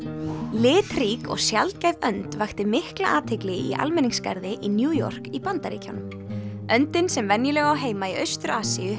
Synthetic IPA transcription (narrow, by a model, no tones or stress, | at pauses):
lɪːt̪riːkɔ̰ɣsjalt̪̚cajvœnt̪vajxt̪ɪmɪhklaʔaːt̪ʰɪklɪɣɪḭʔa̰lmɛnːiŋska̰ɾðɪʔinjuːjɔ̰r̥kipant̪aɾḛːcʰa̰wnʏm | œnt̪ɪnsɛmvɛnjɪlɛɣawɦeːjmaiœɥst̪ʏɾaːsiʏ